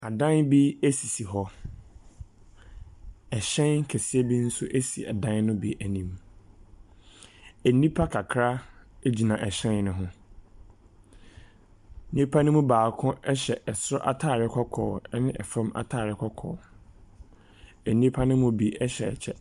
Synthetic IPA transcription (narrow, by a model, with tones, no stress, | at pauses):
a˨dã˦nbi˦e˦si˨si˨ɦɔ˦ | ɛ˨ɕɛ̃˦n̩˦kʰɛ˨sɪ˦ɛ˦bi˦n̩˦sʊ˦ʔe˦si˨a̰˨dã˦nnʊ̃˦bi˦ʔæ˨nĩ˨m | ɛ˨nĩ˦pʰa˦kʰa˨kʰɾa˦e˦d͡ʑi˨nã˨ʔɛ˨ɕɛ̃˦nnʊ̃˦ɦʊ̃˦ | nĩ˦pʰa˦nʊ̃˦mʊ̃˦baː˨kʰʊ̃˦ɛ˦ɕɛ˨ʔɛ˨sɾɔ˦ʔa̰˨tʰaː˦˨ɾɪ˦kʰɔ˦kʰɔː˨˦nɪ̃˦ʔɛ˨fã˦ma̰˨tʰaː˦˨ɾɪ˦kʰɔ˦kʰɔ̰ː˨ | ɛ˨nĩ˦pʰa˦nɪ̃˦mʊ̃˦bi˦ʔɛ˦ɕɛ˨ɛ̰˨t͡ɕʰɛ˦